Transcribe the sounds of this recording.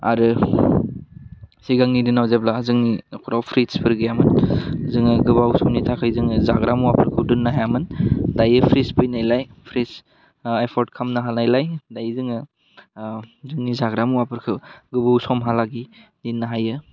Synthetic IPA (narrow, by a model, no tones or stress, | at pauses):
a̰ɾɯ | siɡaŋnidɯnawzeblazɯŋnikʰuɾawpʰɾitspʰɯɾɡjamɯnzɯŋɯɡɯbawsɔmnitʰakʰɯjzɯŋɯzaɡɾamuwapʰɯɾkʰɯdɯnːaɦjamɯndajɯpʰɾispɯjnajlajpʰɾis | ajpʰɔɾt̚kʰamnaɦanajlajdajzɯŋɯ | zɯŋnizaɡɾamuwapʰɯɾkʰɯɡɯbawsɔmɦalaɡidinːaɦajɯ